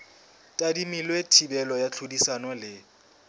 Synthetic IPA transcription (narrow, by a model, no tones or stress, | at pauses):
tʼadimilwetʰibɛlɔjat͡ɬʰodisanɔlɪ